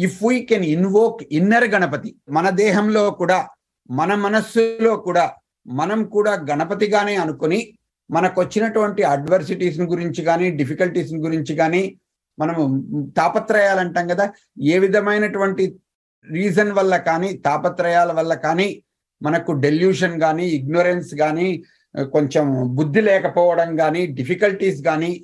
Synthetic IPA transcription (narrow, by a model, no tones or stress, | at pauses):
ifʰwiːkeninʋoːkinːɐɾɡɐnɐp̬ɐt̪imɐnɐd̪ɛːɦɐmlo̞ːkuːɽaː | mɐnɐmɐnɐsːulo̞ːkuːɽaː | mɐnɐmkuːɽaːɡɐnɐpɐt̪iɡaːne̞ːɐnukuni | mɐnɐkuʋɐt͡ʃːinɐʈuʋɐɳʈiaːɖʋɐɾs̬iʈiːs̬niɡuɾiɲt͡ʃiɡaːniːɖipikɐlʈiːsniɡuɾiɲt͡ʃiɡaːniː | mɐnɐmt̪aːpɐt̪ɾɐjaːlɐɳʈaːŋɡɐd̪aː | eːʋid̪ʱɐmɐjnɐʈuʋɐɳʈi | ɾiːd͡ʒɐnʋɐlːɐkaːniːt̪aːpɐt̪ɾɐjaːlɐʋɐlːɐkaːniː | mɐnɐkuɖe̞ljuːʂɐnɡaːniːɡ̚noɾensɡaːniː | ko̞ɲt͡ʃembud̪ːilɛːkɐpɔːʋɐɽɐmɡaːniːɖipikɐlʈiːs̬ɡaːniː